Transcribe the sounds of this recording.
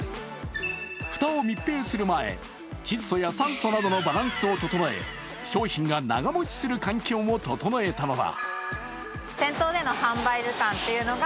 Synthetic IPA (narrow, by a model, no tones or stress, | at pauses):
ɸɯ̟̥t̪aomʲipːe̞ːsɨɾɯ̟mae̞̰ | t͡ɕiso̞jasãnso̞nad̪o̞no̞baɾãɰ̃sɨo̞t̪o̞t̪o̞no̞e̞̰ | ɕo̞ːçĩŋɡana̰ɡamo̞t͡ɕi̥sɨɾɯ̟kãŋkʲo̞ːmo̞t̪o̞t̪o̞noe̞t̪ano̞d̪a̰ | sẽ̞nt̪o̞ːd̪e̞no̞hãmbaiɾɯkãnt̪e̞jɯ̟no̞ɡa